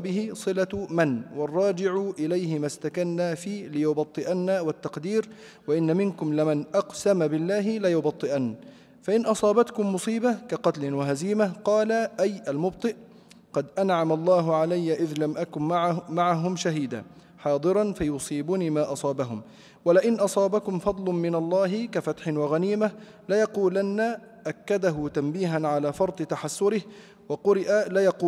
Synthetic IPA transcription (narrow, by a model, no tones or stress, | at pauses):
bɪhɪsˤɨlamanwɑrˤːɑːd͡ʒɪʕʊʔɪlajɦɪmast̪akanːaːfiːlɪjʊbɑt̪ˤːɨʔanːawat̪ːɑqd̪iːɾ | waʔɪnːamɪnkʊmlɪmanʔɑqsamabɪlːaːɦɪlɪjʊbɑt̪ˤːɨʔanː | faʔɪnʔɑsˤɑːbat̪kʊmːʊsˤiːbakaqɑt̪lɪnwaɦaziːmaqɑːlaʔajʔalmʊb̚t̪ˤɨʔ | qɑd̪ʔanʕamɑlˤːɑːɦʊʕalajːaʔɪðlamʔakʊnaʕmaʕaɦʊmʃaɦiːd̪a̰ː | ħɑːd̪ˤɨɾˤɑnfajʊsˤiːbʊniːmaːʔɑsˤɑːbaɦʊm | walɪʔɪnʔɑsˤɑːbakʊmfɑd̪ˤlmɪnɑlˤːɑːɦɪkafat̪ħɪnwɑɣaniːma | lɪjɑquːlanːa | ʔakːad̪aɦʊt̪ambiːɦanʕalaːfɑɾˤd̪ˤɨt̪aħasːʊɾɪh | wɑqʊɾɪʔalɪjɑquː